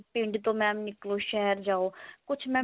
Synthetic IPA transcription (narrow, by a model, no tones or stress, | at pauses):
pɪ̃ɳɖt̪oːmɛ̃ːmnɪkloːʃɛɦəɾd͡ʒaːoːkʊt͡ʃʰmɛ̃ː